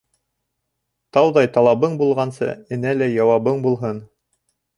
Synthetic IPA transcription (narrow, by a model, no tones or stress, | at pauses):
t̪ɑwðɑjt̪ɑlˠɑβɤɴbulˠʁɑnsɤ̰ɘ̆nælæjɑwɑβɤɴbulˠɦɤn